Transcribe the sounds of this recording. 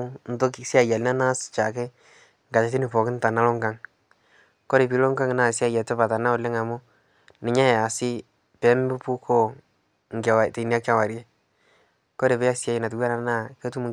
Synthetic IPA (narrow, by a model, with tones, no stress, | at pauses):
n̩˦to˦ksa˨ja˨lna˦na˦st͡ʃa˨ke˦ | ŋɡa˨t͡ʃa˨ti˦nɪ˨pɔ˨kɪ˦n˦ta˨na˦lɔ˦ŋɡa˦ŋ | kɔ˦ɾe˨pi˦lo˦ŋɡa˦ŋ˦na˨sɪ˦a˨ja˨tɛ˦pa˨ta˨na˦ʊ˨le˦ŋa˨mʊ˦ | nɪ˨ɲa˦ja˨sɪ˦ | pɛ˨˦m˦bɪ˦pu˦kʰo˦˨ | ŋ˨ɡa˨wa˨te˨ni˦a˦k̚t͡ʃa˦˨wa˨ɾje˦ | kɔ˦ɾe˨pe˦ja˦sja˦jɪ˨na˨tu˦wa˦na˨na˦˨ke˦tu˦mu˨